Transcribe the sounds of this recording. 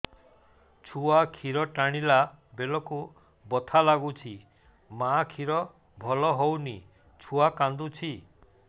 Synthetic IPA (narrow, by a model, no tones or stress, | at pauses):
t͡ʃʰuakʰiɾɔʈaɽ̃ila | belɔku | bɔt̪ʰalaɡut͡ʃʰi | makʰiɾɔ | bʱɔlɔɦowni | t͡ʃʰuakand̪ut͡ʃʰi